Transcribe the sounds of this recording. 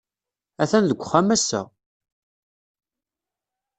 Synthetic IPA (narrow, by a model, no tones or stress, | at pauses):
æθænðəɡʷχːæmæsːə̰